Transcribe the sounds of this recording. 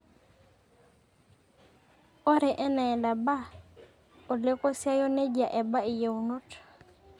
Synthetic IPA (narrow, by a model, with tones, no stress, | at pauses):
o˦ɾɛ˨ʔɛ˦na˨ɛ˨nda˨ba˦ | o˨le˦ko˦sja˦jo˦ne˦d͡ʒa˨ʔɛ˨ba˦i˨je˨u˨no˦t